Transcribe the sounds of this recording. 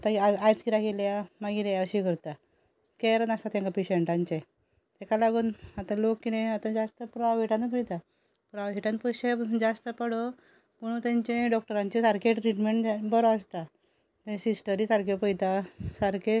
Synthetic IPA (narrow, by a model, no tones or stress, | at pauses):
t̪aaajt͡skiɾakeljamaɡiljəɕikəɾt̪a | keɾənast̪at̪jaŋkapeɕeɳʈãɲt͡ɕe | t̪ekalaɡuːnat̪ãlokːinẽat̪ãd͡zast̪əpɾaeʈanət̪ʋet̪a | pɾaʋɦeʈanpəɕed͡zast̪əpəɽo | puɳ̃ut̪jãɲt͡ɕẽɖɔk̚ʈəɾaɲt͡ɕesaɾkeʈɾiʈmeɳʈbəɾoəst̪a | t̪esisʈəɾisaɾkepəjt̪asaɾkʰe